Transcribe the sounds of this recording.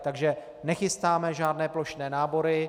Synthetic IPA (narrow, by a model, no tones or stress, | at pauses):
t̪aɡʒɛ | nɛxɪst̪aːmɛʒaːdnɛːplo̞ʃnɛːnaːbo̞ɾɪ